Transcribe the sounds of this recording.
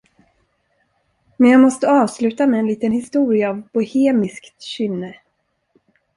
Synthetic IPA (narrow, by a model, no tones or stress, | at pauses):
mɛnjaːɡmɔst̪əɑːvslʉ̟ːt̪amɛːnliːt̪ənhɪst̪uːɾɪaːvbʊheːmɪskt̪ɕʏnːə